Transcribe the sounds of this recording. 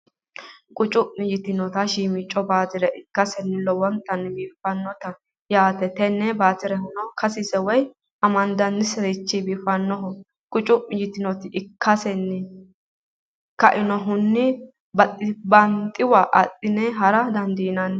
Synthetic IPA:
kʼʊt͡ʃʼʊʔɪd͡ʒɪt̪ɪnɔt̪ɐʃiːmɪt͡ʃʼːɔbaːt̪ɪɾɛʔɪkːɐsɛnːɪlɔwɐnt̪ʼɐnːbiːfɐnːɔt̪ɐ | jaːt̪ɛt̪ɛnːɛbaːt̪ɪɾɛhʊnɔkɐsɪsɛwɔj | ʔɐmɐnd̪ɐnːɪsɛɾɪt͡ʃːibiːfɐnːɔɦɔ | kʼʊt͡ʃʼʊʔɪd͡ʒɪt̪ɪnɔt̪ɪʔɪkːɐsɛnːɪ | kɐʔɪnɔɦʊnːɪ | bɐt̪ʼːɪbɐnt̪ʼːɪwɐʔɐ̰t̪ʼːɪnɛɦɐɾɐd̪ɐnd̪iːnɐn

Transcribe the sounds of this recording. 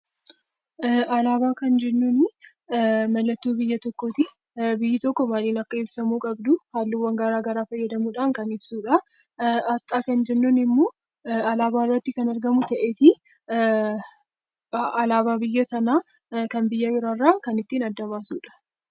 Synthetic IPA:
ɐlaːbaːkɐnd͡ʒɛnːunɪ | mɐlːɐt̪ːuːbɪjːɐt̪ɔkːoːt̪ɪ | bɪjːɪt̪ɔkːɔmaːliːnɐkːɐɪbsɐmuːkʼɐbd̪ʊhaːlːɪwːɐŋɡaɾaːɡɐɾaːfɐjːɐd̪ɐmuːᶑaːnkɐnɪbsuːᶑɐ | ɐst̪ʼaːkɐnd͡ʒɛnːuːnɪmːoː | ɐlaːbaːɪrːɐt̪ːɪkɐnɐɾɡɐmʊt̪ɐʔeːt̪ɪ | ɐlaːβaːbɪjːɐsɐnaː | kɐnbɪjːɐbɪɾarːaːkɐnɪt̪ːiːnɐd̪ːɐβaːsuːᶑɐ̥

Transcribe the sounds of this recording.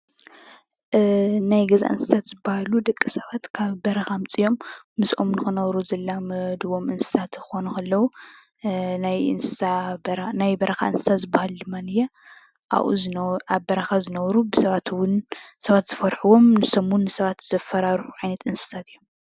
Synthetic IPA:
najɡɐza̰ʔɨ̰nsɨ̥sʰat̪zɨbahalud̪ɐkʼːisɐβat̪kʰaβbɐɾɐxamt͡sʼijo̞mː | ɨsʔo̞̰mnɨxɨnɐβɾuzɐlːamɐd̪βo̞mɨnsɨ̥sʰat̪ɨxo̞nukɐlːɐwu | najɨ̰nsɨ̥sabɾnajbɐɾʔɐxa̰ɨnsɨ̥sʰat̪zɨbːahald̪ɨmːanɨjɛ | ʔa̰ʔṵzʔaβbɐɾɐxazɨnɐβɾubɨsɐβat̪wʊnsɐβat̪z̥ɨfɐɾħuwo̞mnɨsɐmʊnːɨsɐβat̪z̥ɐfɐɾaɾħu̥ʕajnɐt̪ɨnsɨ̥sʰat̪ʰɨjːom

